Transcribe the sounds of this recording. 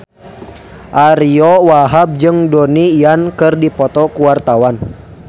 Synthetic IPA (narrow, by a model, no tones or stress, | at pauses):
ʔaɾiɔwaɦab̚d͡ʒɨŋdoniːankɨrdipɔt̪ɔkuwart̪awan